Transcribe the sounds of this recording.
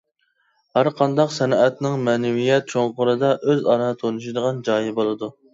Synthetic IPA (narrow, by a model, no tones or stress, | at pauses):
hæɾqʰɑnd̪ɑqsɛnɑʔɛt̪nɪŋmɛːnɛwijɛt̪̚t͡ʃʰoŋqʊɾɨd̪ɑʔøzɑɾɑt̪ʰonuʃid̪əʁɑnd͡ʒɑːjibolˠɨd̪u